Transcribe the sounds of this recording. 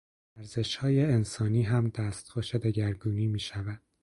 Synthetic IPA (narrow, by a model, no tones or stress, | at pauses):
æɾze̞ʃhɒːjeensɒːniːɦæmd̪æːst̪xoʃed̪e̞ɟæɾɡuːniːmiːʃævæd̪̥